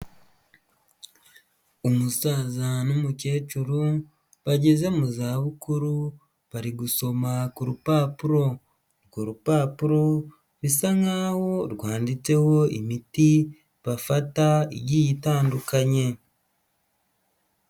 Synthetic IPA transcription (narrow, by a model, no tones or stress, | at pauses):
umusaːzanumuce̞ːt͡ʃuɾu | βaɟe̞ze̞muzaːβukuɾu | βaɾiɡuso̞makuɾupaːpuɾo̞ | kuɾupaːpuɾo̞ | βisaŋaːho̞ɾɡwaːndit͡se̞ho̞imiti | βafataiɟijitaːndukaɲe̞